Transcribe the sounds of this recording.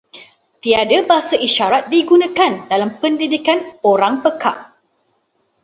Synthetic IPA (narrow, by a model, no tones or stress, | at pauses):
t̪iadabaɦasaʔiʃaɾat̪̚diɡunãkandalampəndidikanoɾaŋpəka̰ʔ